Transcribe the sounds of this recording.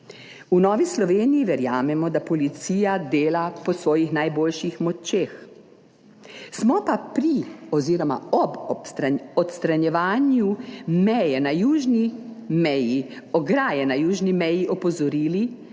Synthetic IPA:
unɔːʋislɔʋeːnijiʋɛɾjaːmɛmɔd̪apɔlit̪siːjad̪eːlapɔsʋɔːjixnajboːlʃixmɔt͡ʃeːx | smɔpapɾiɔziːɾɔma̰ɔbɔsɾaɔt̪st̪ɾanjɛʋaːnjumɛjɛnajuːʒnimɛji | ɔɡɾaːjɛnajuːʒnimɛjiʔɔpɔzɔɾiːli

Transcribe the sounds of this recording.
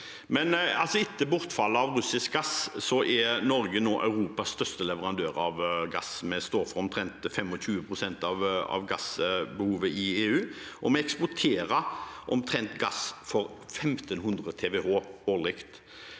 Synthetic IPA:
mɛnɑlsɔɪt̪ːəbʊɾt̪fɑlːəɑʋɾʉsɪsk̚ɡɑssɔʔɛnɔɾɡənoːʔɑ̰ʉɾuːpɑsst̪œst̪əlɛʋəɾɑnd̪øːɾɑʋɡɑ̰smɛst̪oːfɔɾɔmt̪ʰɾɛnt̪fɛmɔɕʉːəpʰʁʊsɛnt̪ɑʋɑ̰ʋɡɑsbəhuːʋəʔɪeːʉːʔɔmɛɛkspʊʈ̪ʰeːɾəʔɔmt̪ʰɾɛnt̪ɡɑsfɔɾ | fɛmt̪ənɦʉnd̪ʁət̪ʰɛʋɛoːoːlɪkt̪

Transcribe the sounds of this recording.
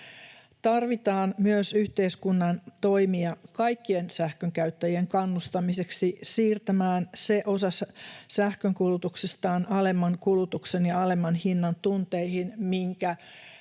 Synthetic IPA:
t̪ɑrʋit̪ɑːnmyøsyht̪e̞iskunːɑnt̪o̞jmiɑkɑjkːie̞nsæhkøŋkæyɥt̪ːæjie̞ŋkɑnːust̪ɑmise̞ksisiːrt̪æmæːnse̞ʔosɑssæhkøŋkulut̪uksest̪ɑːnʔɑle̞mːɑŋkulut̪uksenjɑɑle̞mːɑnhinːɑnt̪unt̪ejhinmiŋkæ

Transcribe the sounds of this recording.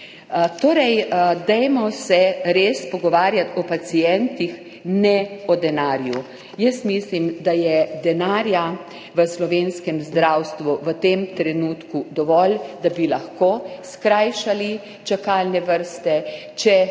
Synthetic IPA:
t̪oːɾɛjd̪ɛjmɔsɛɾeːspɔɡɔʋaːɾjat̪ɔpat͡ssijɛnt̪ix | nɛɔd̪ɛnaːɾju | jəsmislimd̪ajɛd̪ɛnaːɾja | ʋəslɔʋeːnskɛmzd̪ɾawst̪ʋuʋət̪emt̪ɾɛnuːt̪kud̪ɔʋɔld̪abilaxkoːskɾajʃali | t͡ʃakalnɛʋəɾst̪ɛ | t͡ʃɛ

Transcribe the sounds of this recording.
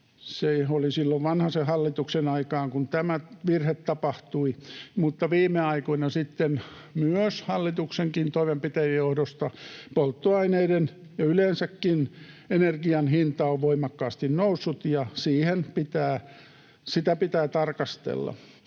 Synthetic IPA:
seolisilːoʋʋɑnhɑsehɑlːit̪uksenɑikɑːŋkunt̪æmæʋirhet̪tɑpɑht̪uimut̪ːɑʋiːmeɑikoinɑsit̪ːen | myøshɑlːit̪ukseŋkint̪oimempit̪æjɑjjohdost̪ɑpolt̪ːoɑineiden | jɑylensækːinenerɡiɑnhint̪ɑoʋʋoimɑkːɑːst̪innousːut̪jɑsiːhenpit̪æː | sit̪æpit̪æːt̪ɑrkɑst̪ḛlːɑ̰

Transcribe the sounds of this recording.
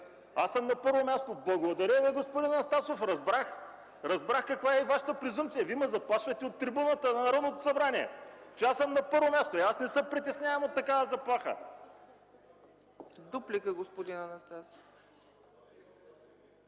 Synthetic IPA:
asəmnɐpɤɾvomʲast̪oblˠɐɡod̪ɐɾʲəviɡospod̪inɐnɐst̪asofɾɐzbɾax | ɾɐzbɾaxkɐkvaɛivaʃə̥t̪əpɾɪzumt̪sijɐvimɛzɐplˠaʃvɐt̪ɛot̪ːɾibunət̪ənɐnɐɾɔd̪not̪o̥sɐbɾaniɛ̰t͡ʃɛasəmnɐpɤɾvomʲast̪oiasnɛsəmpɾit̪ɛsnʲaɛmot̪ːɐkavɐzɐplˠaxə̰ | d̪uplikəɡospod̪inɐnɐst̪aso̥f

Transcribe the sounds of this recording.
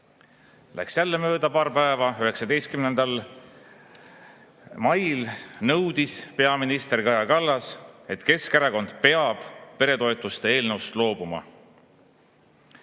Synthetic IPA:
lʔæ̰ksjælːe̞mø̞ːd̪̥ɑpɑːrpæevɑyɦe̞ksɑd̪e̞jst̪̚kymnend̪ɑl | mɑjlnɤwd̪̥ispe̞ɑminist̪e̞rkɑjɑkɑlːɑse̞t̪ke̞skeɾɑko̞nd̪̥pe̞ɑb̥pe̞ɾe̞t̪o̞et̪ːˑust̪e̞eːlnɤwst̪lo̞ːb̥umɑ̰

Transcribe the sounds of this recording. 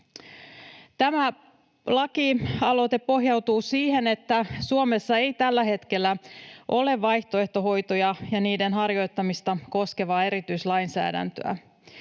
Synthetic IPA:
t̪æmæ | lɑkiɑlo̞t̪e̞ppo̞ɦjɑwt̪uːsiːhe̞ne̞t̪ːæsuome̞sːɑe̞jt̪ælːæɦe̞t̪ke̞lːæʔo̞le̞ʋːɑjht̪oe̞ht̪o̞ɦo̞jt̪o̞jɑjɑniːde̞nɦɑrjo̞jt̪ːɑmist̪ɑko̞ske̞ʋɑːe̞ɾit̪yjslɑjnsæ̰ːdæ̰nt̪ø̰æ̰

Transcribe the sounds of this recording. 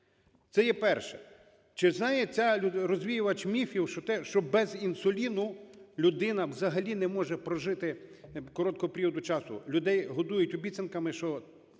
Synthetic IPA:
t̪sɛjɛpɛrʃɛ | t͡ʃɪznɑjɛt͡sʲaɾɔzʲʋʲijʊʋɐt͡ʃmʲifʲiwʃɔt̪ɛʃt͡ʃɔbɛzinsʊlʲinʊlʲʊd̪ɪnɐwzɐɦɐlʲinɛmɔʒɛpɾɔʒɪt̪ɪkɔɾɔt̪̚kɔɦɔpʲeɾʲiwɔd̪ʊt͡ʃɑsʊ̰lʲʊd̪ɛjɦɔd̪ujʊtʲʊbʲit̪sɐnkɐmɪʃt͡ʃɔ

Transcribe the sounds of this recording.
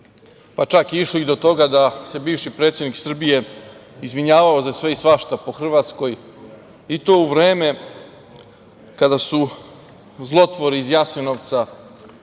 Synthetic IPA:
pat͡ʃakiiʃliid̪o̞t̪o̞ɡad̪ase̞biːʋʃipɾet̪sʲjed̪niksr̩bije̞izʋiɲaːʋaozasʋe̞isʋaʃt̪apo̞xr̩ʋaːt̪sko̞j | it̪o̞ːuʋɾe̞ːme̞ | kad̪asu | zlˠo̞t̪ʋo̞ɾiizjasenoʋt̪sa

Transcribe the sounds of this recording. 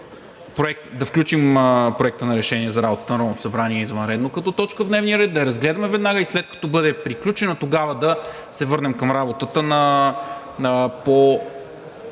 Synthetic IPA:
pɾoɛk̚t̪d̪ɐfklʲut͡ʃimpɾoɛk̚t̪ənɐɾɛʃɛniɛzɐɾabot̪ət̪nɐɾɔvnot̪o̥sɐbɾaniɛizvənɾɛd̪nokɐt̪ɔt̪ɔt͡ʃkəvd̪nɛvniəɾɛd̪̚d̪ɐɛɾɐzɡlɛd̪ɐmɛvɛd̪naɡəislɛt̪̚kɐ̥t̪ɔbɤd̪ɛpɾiklʲut͡ʃɛnɐt̪oɡavɐd̪ɐ | sɛvɤɾnɛmkɐmɾabot̪ət̪ənɐ | po

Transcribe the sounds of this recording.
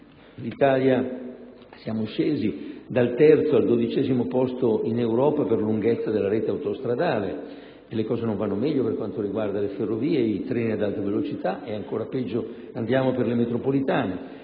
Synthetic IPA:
lit̪aːlja | sjaːmoʃeːzid̪alt̪ɛrt̪soald̪od̪it͡ʃɛːzimopɔst̪oinewɾɔːpaperluŋɡɛt̪sːad̪elːaɾeːt̪eawt̪ost̪ɾad̪aːle | elːekɔːzenõɱvanːomɛʎːoperkwant̪oɾiɡward̪aleferːoviːeit̪ɾɛːniad̪alt̪evelot͡ʃit̪aʔeaŋkoːɾapɛd͡ʒːo | and̪jaːmoperlemet̪ɾopolit̪aːne

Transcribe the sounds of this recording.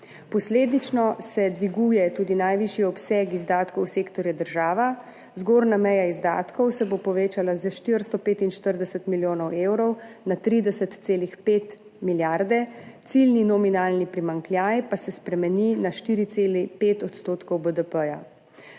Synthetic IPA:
pɔsleːd̪it͡ʃnɔsɛd̪ʋiɡujɛt̪uːd̪inajʋiʃjiɔpsɛɡizd̪aːt̪kɔwseːkt̪ɔɾjɛd̪əɾʒaːʋa | zɡoːɾnamɛjaizd̪a̰ːt̪kɔwsɛbopɔʋeːt͡ʃalazəʃt̪iɾst̪ɔpeːt̪inʃt̪əɾd̪ɛsət̪miljoːnɔwewɾɔwnat̪ɾiːd̪ɛsət̪ːseːlixpeːt̪ | miljaɾd̪ɛt̪silninɔminaːlnipɾimaŋkljajpasɛspɾɛmɛninaʃt̪iːɾit̪seːlipeːt̪ɔt̪st̪oːt̪kɔwbəd̪əpəja̰

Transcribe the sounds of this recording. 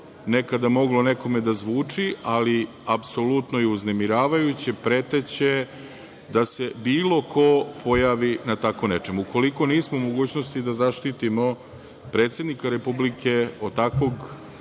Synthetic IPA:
ne̞kad̪amo̞ɡlo̞ne̞ko̞me̞d̪azʋuːt͡ʂiali | apso̞lut̪no̞iuznemiɾaːʋajut͡ɕe̞pɾe̞t̪et͡ɕe̞ | d̪ase̞biːlˠo̞kʰo̞pʰo̞jaːʋinat̪ako̞ne̞t͡ʃe̞muko̞liko̞niːsmomoɡuːt͡ɕno̞st̪id̪azaʃt̪it̪imo̞ | pɾe̞ːt̪sʲje̞d̪nikaɾe̞publikʰe̞o̞t̪akʋo̞ɡ

